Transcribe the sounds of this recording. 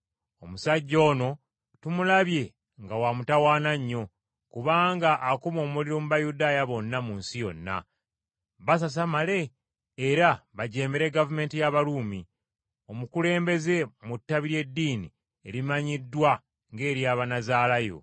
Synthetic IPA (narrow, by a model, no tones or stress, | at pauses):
o̞musaɟːo̞ːno̞ | tumulaβje̞ | ŋɡawamutawaːnaɲːo̞ | kuβaːŋɡaʔːkumo̞ːmuliɾo̞muβajudaːjaβo̞nːamunsijo̞̰nːa̰ | βas̬as̬amale̞ː | ɾaβaɟe̞ːmeɾe̞ɡavume̞ːntijaβaluːmi | o̞mukule̞ːmbe̞ze̞mutːaβiɾje̞dːiːni | e̞ɾimaɲidːwa | ŋɡe̞ːɾijaːβanazaːlajo̞̰